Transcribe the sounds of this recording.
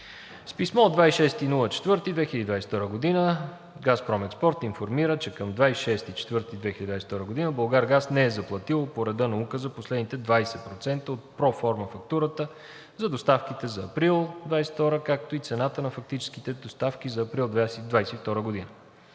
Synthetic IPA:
spismɔod̪vaisʃɛst̪inulˠət͡ʃɛ̥t̪vɤɾt̪id̪vɛxiləd̪id̪vajsɛ̥t̪ɔɾəɡod̪inə | ɡaspɾɔmɛt̪spɔɾt̪infoɾmiɾət͡ʃɛkəmd̪vajsʃɛst̪it͡ʃɛ̥t̪vɤɾt̪id̪vɛxild̪d̪vajsɛ̥t̪ɔɾəɡod̪inəbəlˠɡaɾɡasnɛɛzɐplˠɐt̪ilˠopoɾɛd̪ɤnɐukəzɐposlɛd̪nit̪ɛd̪vajsɛpɾot̪sɛnt̪əot̪̚pɾɔfɔɾməfɐk̚t̪uɾət̪ə | zɐd̪ost̪afkit̪ɛzɐːpɾilˠd̪vajsɛ̥ft̪ɔɾəkak̚t̪oit̪sɛnat̪ənɐfɐk̚t̪it͡ʃɛ̥sk̟it̪ɛd̪ost̪afk̟izɐːpɾilˠd̪vasd̪vajsɛift̪ɔɾəɡod̪inə

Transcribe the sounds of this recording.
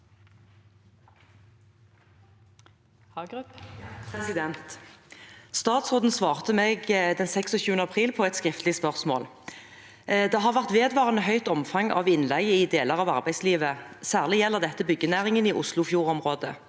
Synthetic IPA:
d̪ɛnt̪ | st̪ɑːt̪sʁʊd̪n̩sʋɑːʁt̪əmeːɡd̪ɛnsɛksɔçʉːənəɑpʰʁiːlpʰɔɛt̪skʁɪft̪lɪspœʁsmo̰ːl | d̪ɛːɦɑːʁʋæʁt̪ʋeːd̪ʋɑːʁənəɦœʏt̪ɔmfɑŋɑ̰ːʋɪnlæɡəɪd̪eːləʁɑːʋɑ̰ʁbæɪsliːʋəsæːʁlɪjɛlːəʁd̪ɛt̪ːəbʏɡːənæːʁɪŋəniːʔʊslʊfjuːʁɔmʁoːd̪ə̰

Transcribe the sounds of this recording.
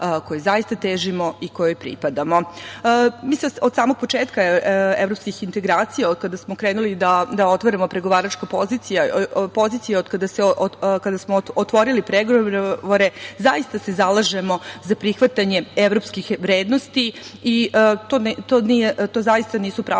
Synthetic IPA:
kojezaist̪at̪eːʒimoiko̞jojpɾḭpad̪amo̞ | miːseod̪saːmo̞ɡ̚pot͡ʂeːt̪kaevɾopskixint̪e̞ɡɾaːt̪sijaod̪̚kad̪asmokɾeːnulid̪ad̪aot̪ʋoɾamo̞pɾeɡo̞ʋaːɾat͡ʃkapo̞zit̪sijapo̞ziːt̪sijeod̪kad̪aseʔkad̪asmoot̪ʋo̞ɾilipɾeɡoʋoɾe̞zaist̪ase̞zalˠaʒemo̞zapɾixʋat̪aɲe̞eʋɾo̞pskixʋɾeːd̪no̞st̪iit̪ont̪onijet̪oːzaist̪aniːsupɾa

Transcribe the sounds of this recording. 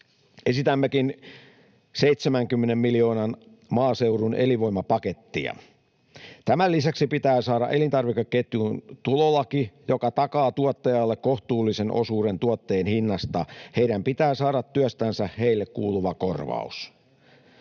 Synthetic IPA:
ʔe̞sit̪æmːekin | seit̪semæŋkymːenemmilio̞ːnɑn | mɑːse̞wɾuneliʋo̞jmːɑpɑket̪ːḭɑ̰ | t̪æmælːisæksipit̪æːsɑːɾɑʔe̞lint̪ɑrʋikːeket̪junt̪ulolɑkijo̞kɑt̪ɑkɑːt̪uɔt̪ːɑjɑlːekko̞ht̪uːlːisenʔo̞̰suːɾent̪uot̪ːe̞ːnhinːɑst̪ɑhe̞iɾæmpit̪æːsɑːɾɑt̪ːyœst̪ænsæhe̞ilːekkuːluʋɑko̞rʋɑ̰us

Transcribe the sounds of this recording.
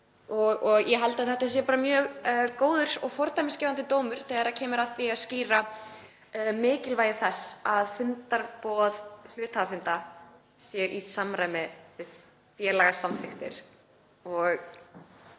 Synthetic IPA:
ɔɣɔɣjɛɦajlt̪aðθɛht̪as̬jɛpaːɾamjœːɣkoːwðʏɾ̥ɔɣfɔɾt̪ajmɪscɛːvant̪ɪt̪oːwmʏɾ̥θɛːɣaɾacʰɛːmɪɾaθviaðsciːɾa | mɪːcɪlvaːjɪθɛsːaðfʏnt̪aɾpɔːðl̥ʏːt̪havafʏnt̪a | sjɛʔisamɾaːjmɛ | fjɛːlaɣḁsamfɪxt̪ɪ̰ɾ̥ | ɔɣ

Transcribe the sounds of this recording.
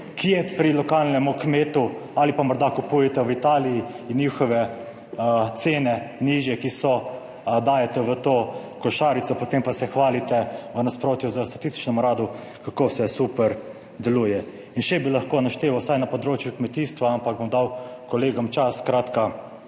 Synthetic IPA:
kijɛpɾilɔkalnɛmukmeːt̪u | alipamɔɾd̪akupujɛt̪ɛʋit̪aːlii | injiːxɔʋɛ | t̪seːnɛniːʒjɛkisɔ | d̪aːjat̪ɛʋət̪oː | kɔʃaːɾit̪sɔpot̪empasɛxʋaːlit̪ɛʋənaspɾoːt̪juzəst̪at̪ist̪i̥t͡ʃnɔmuɾaːd̪u | kakosɛsupɛɾ | d̪ɛluːjɛ | inʃɛbilaxkoːnaʃt̪eːʋawsajnapɔd̪ɾoːt͡ʃjukmɛt̪iːst̪ʋaampaɡ̚bomd̪awkɔleːɡɔmt͡ʃaskɾaːt̪ka

